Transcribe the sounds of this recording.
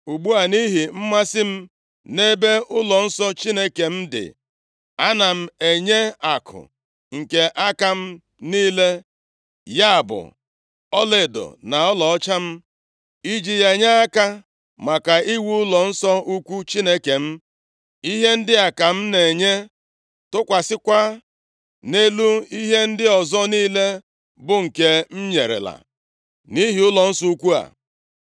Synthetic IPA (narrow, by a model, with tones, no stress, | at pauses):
u˨ɡ͡bu˦a˨ni˦ɦi˨m̩˦ma˦sɪ˦m̩˦ | ne˦be˦ʊ˦lɔ˨n̩˦sɔ˦t͡ʃi˦ne˦ke˨m̩˦dɪ̰˨ | a˦na˨m̩˨e˨ɲe˦a˨kʰʊ̰˨ | ŋ̩˨ke˨ʔa˦ka˦m̩˦ | niː˦le˦ | ja˦a˨bʊ̰˨ | ɔ˦le˨dɔ̰˨na˨ɔ˦lɔ˨ɔ˦t͡ʃa˦m̩˦ | i˦d͡ʒi˨je˨ɲa˦a˦ka˦ | ma˨ka˨i˦wu˦ʊ˦lɔ˨n̩˦sɔ˦u˦kʷu˦t͡ʃi˦ne˦ke˨m̩˦ | i˦ɦe˦n̩˦dɪ˦a˨ka˨m̩˦ne˨ɲe˦ | tʊ˦kʷa˨sɪ˦kʷa˦ | ne˦lu˦i˦ɦe˦n̩˦dɪ˦ɔ˨zɔ˦niː˦le˦ | bʊ˦ŋ̩˨ke˦m̩˦ɲe˨ɾḛ˨la̰˨ | ni˦ɦi˨ʊ˦lɔ˨n̩˦sɔ˦u˦kʷu˦a̰˨